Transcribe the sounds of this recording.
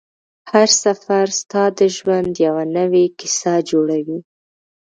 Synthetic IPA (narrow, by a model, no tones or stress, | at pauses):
haɾsafaɾst̪ɑd̪əʒwand̪jawanəwekɪ̥sɑd͡ʒoɽawi